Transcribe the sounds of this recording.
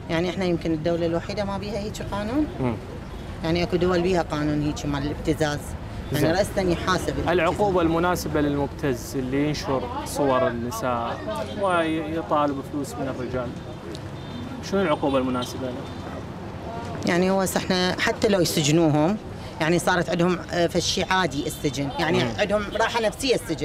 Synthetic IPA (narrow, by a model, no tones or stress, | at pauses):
jaʕniʔɪħnajɪmkɪnɪd̪ːawlalwaħiːd̪amabiːhahiːt͡ʃiqɑːnuːnmː | jaʕniʔakud̪ʊwalbiːhaqɑːnuːnhiːt͡ʃimaʕɪlɪb̚t̪ɪzaːz | jaʕniɾˤɑʔstʔanjħaːsɪbɪlɪlʕʊquːbalmʊnaːsabalɪlmʊbt̪ʰazɪlːijɪnʃʊɾsˤʊwɑɾˤɪnːɪsaːʔʔwɪjt̪ˤɑːlɪbfluːsmɪnɪrːɪd͡ʒaːl | ʃʊnɪlʕʊquːbalmʊnaːsɪbala | jaʕnihʊwasɪħnaħat̪ːalawjsɪd͡ʒnuːɦʊm | jaʕnisˤɑːɾˤɑt̪ʕɪd̪hʊmfaʃːiʕaːd̪iʔɪsːɪd͡ʒɪnjaʕniʕɪd̪hʊmɾˤɑːħanafsɪjːasːɪd͡ʒn